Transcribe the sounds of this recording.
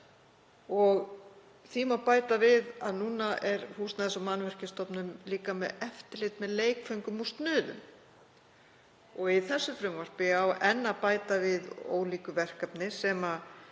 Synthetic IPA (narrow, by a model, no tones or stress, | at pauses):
ɔɣ | θimawpaːjt̪avɪðaðnuːnaʔɛɾhusnaðɛsamanvɛr̥cɪst̪ɔpnʏmliːkamɛðɛft̪ɪlɪt̪mɛðleːjkfœɥŋkʏmust̪nʏːðʏ̰m | ɔɣiθɛsːʏfɾʏmvar̥pɪawɛnːapaːjt̪avɪðo̰ːwliːkʏvɛr̥kapnɪsɛːma